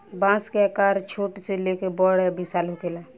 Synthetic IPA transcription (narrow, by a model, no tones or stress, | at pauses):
bãːskekaːɾt͡ʃʰoːʈselekebɔɽɛbisaːlõkeːla